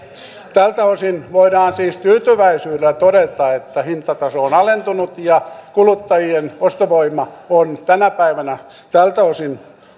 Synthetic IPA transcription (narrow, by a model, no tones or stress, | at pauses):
t̪ælt̪æosinʋoiɾɑːnsiːst̪yːt̪yʋæisyːdelæt̪oɾet̪ɑet̪ːæhint̪ɑt̪ɑsoːnɑlent̪unut̪jɑkulut̪ːɑjienost̪oʋoimɑont̪ænæpæiʋænæ | t̪ælt̪æosin